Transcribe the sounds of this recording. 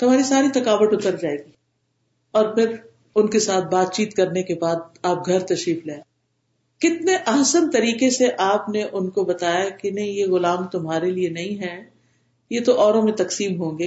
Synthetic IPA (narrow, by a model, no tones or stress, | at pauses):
t̪ʊm̤aːɾisaːɾit̪ɐkaːʋəʈʊt̪əɾd͡ʒaːeːɡiː | ɔːɾpʰɪɾ | ʊnkesaːt̪̚ʰbaːt̪̚t͡ʃiːt̪kɐɾnekebaːd̪̚aːp̚ɡʱɐɾt̪ɐʃɾiːfleː | kɪt̪neʔɐɦsənt̪ɐɾiːkeseʔaːpneʔʊnkobɐt̪aːjakenɐɦĩjeɣʊlaːmt̪ʊmɦaːɾelienɐɦĩɦɛː | jet̪oʔɔːɾõmẽt̪ɐksiːmɦõːɡeː